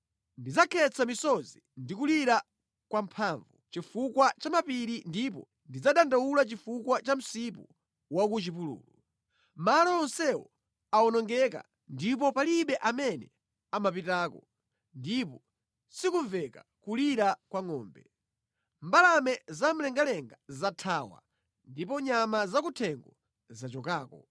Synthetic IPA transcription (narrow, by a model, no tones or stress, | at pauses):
ndid͡zakʰɛt͡sʰamisɔzindikuliɾa | kwampʰaːɱvut͡ʃifukwat͡ʃamapiɾindip̬ɔ̰ | ndid͡zaɗandaulat͡ʃifukwat͡ʃam̩sip̬u | wak̬ut͡ʃipulṵːlu | malɔɔnsɛwɔ̰ | aɔnɔŋɡɛka̰ | ndip̬ɔpaliɓɛʔamɛnɛ | amapitaːkɔ | ndipɔ | sikuɱvɛka̰kuliɾakwaŋɔːmbɛ | mbalamɛzam̩lɛŋɡalɛŋɡazatʰaːwa̰ | ndipɔɲamazakutʰɛŋɡɔ | zat͡ʃɔkaːkɔ